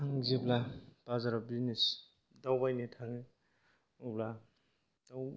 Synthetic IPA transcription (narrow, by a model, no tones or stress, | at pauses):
aŋziblapazaɾabinis | dawbajnitʰaŋi | ubla | d̥aw